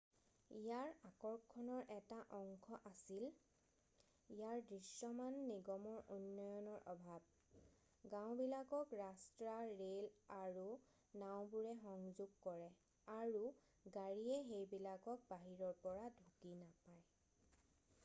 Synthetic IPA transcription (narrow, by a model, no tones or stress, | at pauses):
ijaɹakɔɹkʰːɔnɔɹʔɛtaʔɔŋkʰɔʔasil | ijaɹdɹisɔmanːiɡɔmɔɹunːɔjɔnɔɹʔɔbʱab̚ | ɡãw̃bilakɔkɹastɹaɹelaɹu | naw̃buɹɛxɔŋzuɡ̚kɔɹɛ | aɹu | ɡaɹiɛxejbilakɔk̚baɦiɹɔɹpɔɹadʱukinapaj